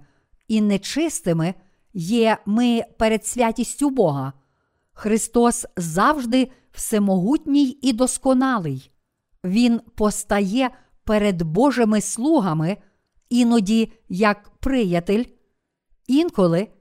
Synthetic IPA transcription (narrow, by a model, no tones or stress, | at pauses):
inɛt͡ʃɪst̪ɪmɪ | jɛmɪpeɾed̪sʲʋʲatʲisʲtʲʊbɔɦɐ | xɾɪst̪ɔszɑwʒd̪ɪ | w̥sɛmɔɦutʲnʲijid̪ɔskɔnɑlˠɪj | ʋʲinpɔst̪ɐjɛ | peɾed̪bɔʒɪmɪslˠuɦɐmɪ | inɔdʲijɐkpɾɪjɐt̪ɪlʲ | inkɔlˠɪ